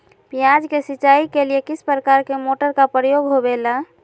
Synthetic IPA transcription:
pijad͡ʒkesiːt͡ʃaikeliekispɾəkaɾkemoʈəɾkapɾəjoɡɦobela

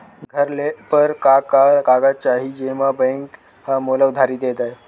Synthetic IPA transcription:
ɡʱəɾlepəɾkakakaɡat͡ɕaɦiːd͡ʑeʋabɛ̃ŋk | hamolaud̪ʱaɾiːd̪et̪aj

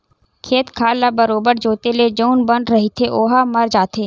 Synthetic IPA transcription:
kʰeːt̪kʰaːlabɐɾoːbəɾd͡ʒoːt̪eled͡ʒoːnbɐ̃ɳɖɾɐɦit̪ʰeʔoːɦamɐɾd͡ʒaːt̪ʰeː

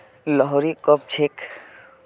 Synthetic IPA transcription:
lɔɦɔɾikɔp̚t͡ʃʰek

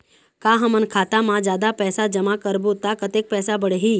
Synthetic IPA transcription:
kaːɦəmənkʰaːt̪amãd͡ʒjaːd̪apɛːsad͡ʒɐmakəɾbut̪akət̪eːk̚pɛːsabəɽ̤eɦiː

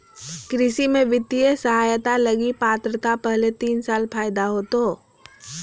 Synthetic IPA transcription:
kɾɪsimẽʋɪt̪ːiesəɦaːjt̪aləɡipaːt̪ɾət̪apəɦlet̪iːnsaːlpʰaːjd̪aɦoːt̪oː

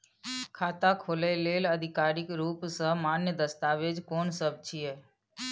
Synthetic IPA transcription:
kʰaːt̪akʰoleleləd̪ʱɪkaːɾɪkɾuːpsəɦmanjəd̪əst̪aːʋed͡ʒkoːnsəb̚t͡ʃʰije

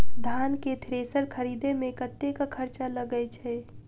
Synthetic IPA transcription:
d̪ʱanket̪ʰɾesəɾkʰəɾid̪emekət̪ːekakʰəɾt͡ʃaləɡət͡ʃʰɛ

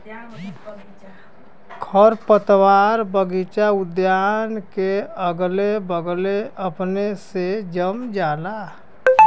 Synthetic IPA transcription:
kʰəɾpət̪waːɾbəɡit͡ʃaʊd̪jaːnkeəɡlebəɡleəpnesed͡ʒəmd͡ʒaːla

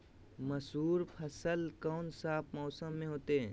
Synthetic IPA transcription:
mɐsuːɾpʰəsəlkɔːnsaːpʰmɔːsəmːẽɦoːt̪eɦɛ̃ː

